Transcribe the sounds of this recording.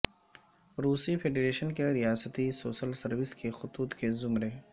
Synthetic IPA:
ɾuːsifeːɖeːɾeːʃənkeɾijaːsət̪isoːʃəlsɐɾʋɪskexʊt̪uːt̪kezʊmɾe

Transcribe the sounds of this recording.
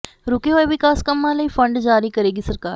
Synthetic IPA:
ɾukeɦojʋikaskəmːalaiːfə̃ɳɖd͡ʒaːɾiːkəɾeːɡiːsəɾkaːɾ

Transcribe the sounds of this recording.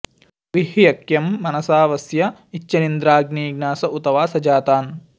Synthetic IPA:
ʋiɦjɐkjɐmːɐnɐsaːʋɐsjɐit͡ʃːɐnind̪ɾaːɡniːɡnaːsɐʔut̪ɐʋaːsɐd͡ʒaːt̪aːn

